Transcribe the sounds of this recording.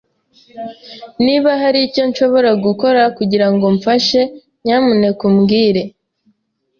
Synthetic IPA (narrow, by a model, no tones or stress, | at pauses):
niβaɦaɾico̞nʃo̞βo̞ɾaɡuko̞ɾakuɟiɾaŋɡo̞ɱfaʃe̞ | ɲaːmune̞kumɡiːɾe̞